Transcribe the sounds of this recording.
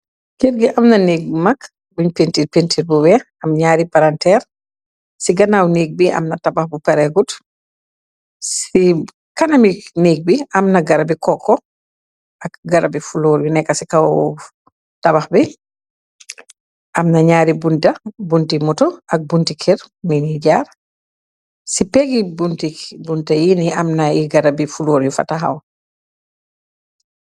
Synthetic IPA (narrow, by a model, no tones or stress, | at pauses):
kiɾɡiʔamnaneɡ̚mak | buɲpentipentʰiɾbuwɛ | amɲaːɾipaɾantɛːɾ | siɡanawneːɡ̚biʔa̰mnatabaxbupɛɾɛɡut | si | kanamineːɡ̚biʔamnaɡaɾabikɔkːɔ | ʔakɡaɾabifuloːɾbinɛkːasikaw | tabaxbɛ | ʔamnaɲaːɾibuntabuntimutɔʔak̚buntikʰɛɾminiɟaɾ | sipeɡibuntibuntajiniamnajiɡaɾabifuloːɾjufa̰taɦa̰w